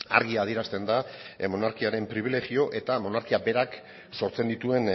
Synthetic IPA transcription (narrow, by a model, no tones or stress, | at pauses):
a̰ɾɣiaːð̞ie̞ɾast̪e̞nd̪amo̞naɾkiaɾe̞mpɾiβ̞ile̞ɣio̞ʔe̞t̪amo̞naɾkiabe̞ɾak | so̞ɾt͡se̞nd̪it̪ue̞n